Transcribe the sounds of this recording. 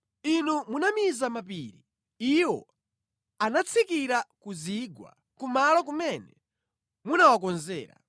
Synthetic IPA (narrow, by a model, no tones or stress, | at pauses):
inumunamizamapiːɾi | iwɔ̰ | anat͡sʰikiɾakuziɡwa̰ | kumalɔk̬umɛnɛ | munawakɔnzɛːɾa̰